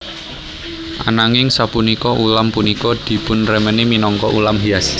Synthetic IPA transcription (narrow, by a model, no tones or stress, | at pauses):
ʔa̰naŋɪŋsapunikɔʔulampunikɔd̪̥i̤pʊnrəməniminɔŋkɔʔulamɦias